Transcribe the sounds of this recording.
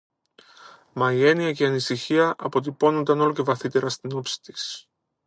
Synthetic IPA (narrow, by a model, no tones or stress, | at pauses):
mɐje̞niɐceɐnisiçiɐʔɐpo̞t̪̬ipo̞nond̪ɐno̞lo̞ce̞vɐθit̪e̞ɾɐst̪ino̞psi̥t̪i̥s